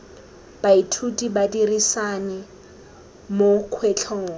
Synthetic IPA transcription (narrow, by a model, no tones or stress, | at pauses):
b̥aitʰutʼibadirisanɪ | mokʰwet͡ɬʰɔːŋɔ